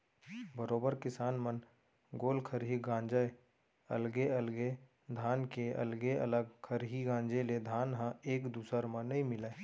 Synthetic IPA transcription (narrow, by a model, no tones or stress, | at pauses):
bəɾoːbəɾkɪsaːnmən | ɡoːlkʰəɾɦiɡãːɲd͡ʒə | ə̰lɡeəlɡe | d̪ʱaːnkeə̰lɡeʔə̰ləɡkʰəɾɦiɡãːɲd͡ʒeled̪ʱaːnɦãeːkd̪uːsəɾmãnɐɦĩmɪlaː